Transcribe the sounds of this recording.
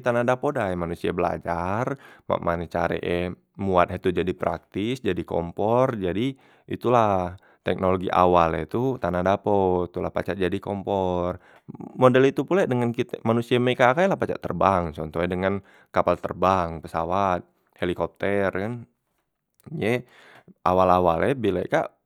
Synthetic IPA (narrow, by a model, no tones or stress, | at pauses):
t̪anadapodajmanusiabəla̰d͡ʒarma̰ʔmʔanɛt͡ʃaɾɛ̰ʔɛ | muat̪̚ɦɛt̪ud͡ʒadipɾa̰k̚t̪ɪsd͡ʒadikɔ̰mpɔrd͡ʒadi | ʔḭt̪ulah | t̪ɛk̚noloɡiʔa̰walɛt̪ut̪anadapot̪ulahpa̰t͡ʃaʔd͡ʒadikɔmpɔr | modɛlit̪upuladəŋankit̪ɛmanusiamekakajlahpat͡ʃa̰ʔt̪ə̰rbaŋt͡ʃɔnt̪ɔɛdəŋan | kapalt̪ə̰rbaŋpəsa̰wat̪̚ | helikɔp̚t̪ərkan | jɛ | ʔawalawalɛbilaka̰ʔ